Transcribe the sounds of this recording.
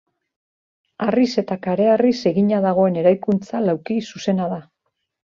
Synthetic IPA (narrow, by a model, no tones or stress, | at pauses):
arise̞t̪akaɾe̞arise̞ɣiɲaðaɣ̞o̞e̞ne̞ɾajkunt͡salawkisuse̞naða